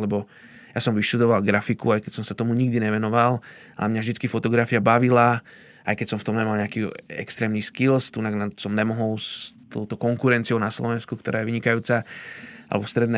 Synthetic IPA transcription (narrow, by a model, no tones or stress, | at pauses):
lɛbɔ | jasɔmʋiʃt̪ud̪ɔʋalɡɾafikuajkɛcsɔmsat̪ɔmuɲiɡd̪iɲɛʋɛnɔʋal | a̰lɛmɲavʒd̪it͡skifɔt̪ɔɡɾafiabaʋila | ajkɛcʲsɔmft̪ɔmɲɛmalɲɛakiɛ̰kst̪ɾɛːmniskilst̪unaɡnasɔmɲɛmɔɦɔlst̪ɔʊt̪ɔkɔŋkuɾɛnt͡siɔʊnaslɔʋɛnskukt̪ɔɾaːjɛʋiɲikajuːt͡saa̰lɛbɔfst̪ɾɛd̪nɛ